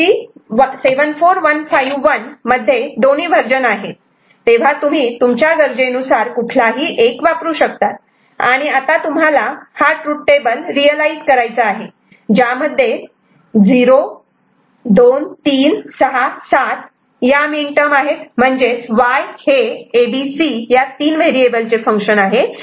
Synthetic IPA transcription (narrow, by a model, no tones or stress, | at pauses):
iːʋseʋənfoɾʋənfajʋːənməd̪ʱːjed̪oniːbʱəɾd͡ʑənaɦe | t̪ːeʋ̤at̪um̤iːt̪umt͡ɕjaɡəɾd͡ʑenusaɾkuʈʰlaɦiːʔekʋapɾuːɕək̚t̪at̪̚ | a̰ɽ̃iat̪at̪umɦalahaʈɾuʈʈebəlɾijəlaizkəɾajt͡saaɦe | d͡ʑjaməd̪ʱːje | d͡ziɾo | d̪ont̪iːnsəɦasat̪ | jamiɳʈəmaɦet̪m̤əɳd͡zeʋajheːbisijat̪iːnʋeɾiebəlt͡sefə̃ŋkɕənaɦe